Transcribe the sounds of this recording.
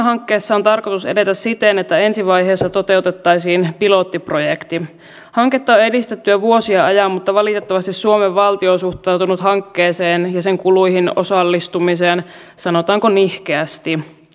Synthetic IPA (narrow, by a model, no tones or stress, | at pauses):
ɦɑŋkːeːsːɑo̞nt̪ɑrko̞t̪usede̞t̪æssit̪enet̪ːæe̞nsiʋɑjɦeːsːɑt̪o̞t̪e̞ut̪e̞t̪ːɑjsiːnpilo̞t̪ːiprojekt̪i | hɑŋket̪ːɑoe̞dist̪et̪ːyæʋuo̞siɑɑjɑmmut̪ːɑʋɑlit̪et̪ːɑʋɑst̪isuomeʋːɑlt̪iosuht̪ɑwt̪unut̪hɑŋkːeːseːnjɑse̞ŋkulujhino̞̰sɑlːist̪umiseːn | sɑno̞t̪ɑːŋkonihkeæst̪i